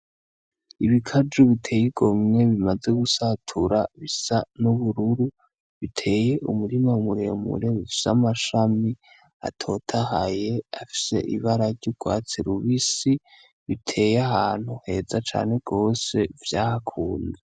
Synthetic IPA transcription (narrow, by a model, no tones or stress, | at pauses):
iβikʰad͡ʒuβitʰe̞jiɡo̞mŋe̞βimaze̞ɡusatʰuɾaβisanuβuɾuɾu | βitʰe̞ːje̞ʔumuɾimamuɾe̞mṵɾe̞βifi̥samaʃami | a̰tʰo̞tʰaɦaje̞afi̥se̞̰ʔḭβaɾaɾɟuɡ̥wa̰ːt͡siɾuβisi | βitʰe̞ːjaɦaːn̥huhe̞ːzat͡ʃa̰ːne̞ɡ̥o̞ːse̞vjaːhakʰuːnde